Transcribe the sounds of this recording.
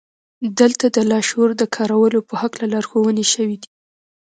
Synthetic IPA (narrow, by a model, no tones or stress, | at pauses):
d̪əlt̪ad̪əlɑʃoɾd̪əkʰɑɾawəlopəhaklalɑɾxowəneʃəwid̪i